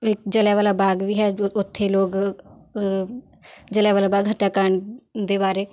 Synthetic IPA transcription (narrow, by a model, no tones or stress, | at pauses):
ɪk̚d͡ʒəlɛːʋaːlaːbaːɡʋiːɦɛːʊt̪ʰːeːloːɡ | d͡ʒəlɛːʋaːlaːbaːɡɦəʈːaːkəɾəɳd̪eːbaːɾeː